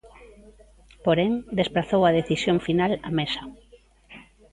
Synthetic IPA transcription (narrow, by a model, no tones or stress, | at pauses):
poɾeŋd̪espɾaθowɐð̞eθisjoŋfinalamesɐ